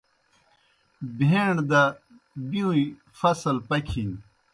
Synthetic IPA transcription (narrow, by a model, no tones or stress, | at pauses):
bʱeɳɖd̪a | biui | fɐsɐlpɐkʰin